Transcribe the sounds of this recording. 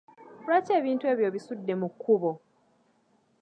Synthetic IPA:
lwaːce̞ːβiːntue̞ːβjo̞ːβisudːe̞mukʰːuβo̞

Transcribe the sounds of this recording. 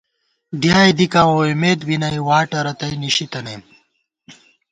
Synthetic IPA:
ɖʱjaːjd̪ikãːoːimeːt̪binɐjwaːʈɐɾɐt̪ɐjniɕit̪ɐneː

